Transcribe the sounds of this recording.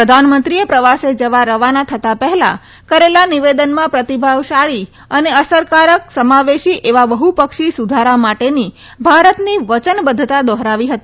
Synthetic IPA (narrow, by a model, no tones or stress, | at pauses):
pɾəd̪ʱanmənt̪ɾiepɾəʋased͡ʒəʋaɾəʋanat̪ʰət̪apəɦɛla̰ | kəɾelaniʋed̪ənmãpɾət̪ibʱaʋʃaɭi | əneəsəɾkaɾəksəmaʋeʃiʔeʋaʋəɦupəkʃisud̪ʱaɾamaʈeni | bʱaɾət̪niʋət͡ʃənbəd̪ʱət̪ad̪ɔɦɾaʋiɦət̪i